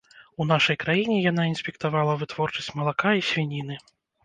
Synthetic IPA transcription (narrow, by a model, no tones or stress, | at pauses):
unaʂɐjkɾajinʲɛjan̪ainsʲpʲɛkt̪avalˠɐvɨt̪vɔrt͡ʂɐsʲt͡sʲmɐlˠakaisʲvʲinʲin̪ɨ